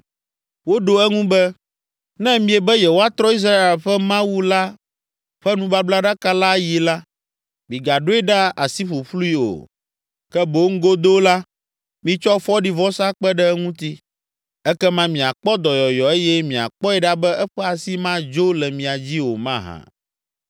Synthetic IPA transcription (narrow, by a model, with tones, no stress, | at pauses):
wo˦ɖo˨ɛ˦ŋũ˦bɛ˦ | nɛ̃˦mĩ˦ɛ˨bɛ˦jɛ˨wo˦a˦t̪ɾɔ˦i˦s̬ɾa˦e˨lɸɛ˦mã˦wu˦la˦ | ɸɛ˦nũ˦ba˦bla˦ɖa˦ka˦la˦ji˨la˦ | mĩ˨ɡa˨ɖo˦ɛ˦ɖa˦a̰˨si˦ɸo˨ɸlu˦i˦o̰˨ | kɛ˦bo˨˦ŋ̩˦ɡo˦d̪o˦la˦ | mĩ˨t͡ʃɔ˦fɔ˦ɖi˦vɔ˦sa˦k͡pɛ˦ɖɛ˦ɛ˦ŋũ˦t̪i˦ | ɛ˦kɛ˦mã˦mĩ˨a˨k͡pɔ˦d̪ɔ˨jɔ˨jɔ˨e˦jɛ˦mĩ˨a̰˨k͡pɔ˦ɛ˨ɖa˦bɛ˦ɛ˦ɸɛ˦a˨si˦mã˦d͡ʒo˦lɛ˨mĩ˨a˨d͡ʑi˦wo˨mã˦ɦã̰˨